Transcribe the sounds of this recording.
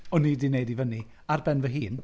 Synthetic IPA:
ɔnidɪnejdivəni | arbɛnvəɦiːn

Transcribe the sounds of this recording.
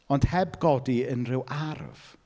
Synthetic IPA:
ɔnd̥hɛbɡɔdiənrɪwʔarv̥

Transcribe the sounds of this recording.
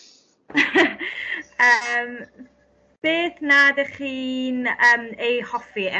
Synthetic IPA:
əm | b̥eːθnadeχiːnəːmejhɔfiɛ

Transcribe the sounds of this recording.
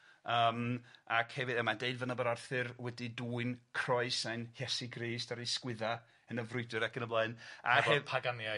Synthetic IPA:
əːmakhɛvɨðəmandeɨdvənabəɾarθɨrwɛdiduːɨnkʰr̥ɔɨsajnhjɛsiɡriːstaɾejskwɪða | ənəvrʊɨdɨɾakʰənəblˠaɨna̰hɛpʰaɡanja

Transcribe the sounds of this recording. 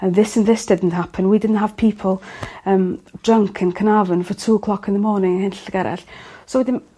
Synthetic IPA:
əðɪsənðɪsd̥ɪdn̩thapʰənwidɪdn̩tɦav̥pʰiːpʰəlˠəːmd̥rəŋkʰənkʰənavənvɔtʰuːəkʰlˠɔkʰənðəmɔːnɪŋəhɪnɬəɡɛɾʔɛ̰ɬsowɛdɪn

